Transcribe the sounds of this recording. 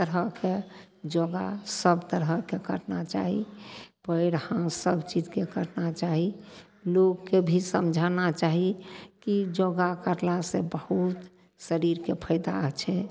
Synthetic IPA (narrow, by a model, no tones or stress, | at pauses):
t̪əɾəked͡ʒoɡasəbt̪əɾəkekəʈnat͡ʃa̰ɦipəɪɽhãsəbt͡ʃid͡ʒkekəɾnat͡ʃaɦi | lokːebʱisəmd͡ʒʱanat͡ʃaɦikid͡ʒoɡakəɾlasẽbəhut̪ | səɾiɾkepʰəɪd̪a̰t͡ʃʰɛ